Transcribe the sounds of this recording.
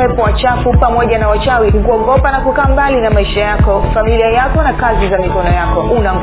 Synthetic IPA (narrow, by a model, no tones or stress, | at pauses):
ɛpɔwat͡ʃafupamɔʄanawat͡ʃawikukuɔŋɡɔpanakukaːmbalinamaiʃajakɔfamiliajakɔnakazizamikɔnɔjakɔʔunaŋ